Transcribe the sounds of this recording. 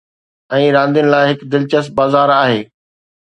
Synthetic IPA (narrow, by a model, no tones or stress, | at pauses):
ɛ̃ːɾãːnd̪ijʊnɪ̆laːɪɦɪkd̪ɪlt͡ɕəst̪̚baːzaːɾaːɦeː